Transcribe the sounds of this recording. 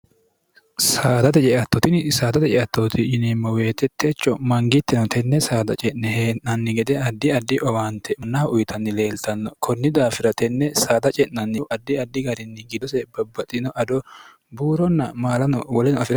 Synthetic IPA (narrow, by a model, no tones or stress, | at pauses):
saːd̪ɐt̪ɛt͡ʃʼɛʔɐt̪ːɔt̪ɪnsaːd̪ɐt̪ɛt͡ʃʼɛʔɐt̪ːoːt̪ɪɪnɛmːɐweːt̪ːɛt̪ʰːeːt͡ʃːɔmɐŋɡɪt̪ːɛnɔt̪ʰɛnːɛsaːd̪ɐt͡ʃʼɛʔnɛheːʔnɐnːɪɡɛd̪ɛɐd̪ːɪɐd̪ːɪʔɔwaːnt̪ɛmɐnːaːʊjt̪ʰɐnːɪle̞ːlt̪ɐnːɔkʰɔnːɪd̪aːfɪɾɐt̪ɛnːɛsaːd̪ɐt͡ʃʼɛnnɐnːɪʔɐd̪ːɪɐd̪ːɪɡɐɾɪnːɪɡɪd̪ɔsɛbɐbːɐt̪ʼːɪnɔʔɐd̪ɔ | buːɾɔnːɐmaːlɐnɔwɔlɛnɔɐfɪɾɐ